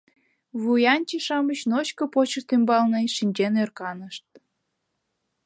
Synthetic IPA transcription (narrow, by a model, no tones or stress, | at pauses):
βujɑnʲt͡ɕiʃɑmət͡ɕnot͡ɕkəpot͡ɕə̆ʃt̪ymbɑlneʃinʲt͡ɕenørkɑnəʃt̪̚